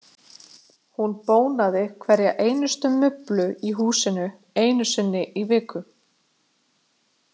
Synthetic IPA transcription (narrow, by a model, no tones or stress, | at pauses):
hunpoːwnaðɪkʰvɛɾjaʔeːjnʏst̪ʏmʏplʏiɦuːsɪnʏ | eːjnʏsɪnːɪʔivɪːkʏ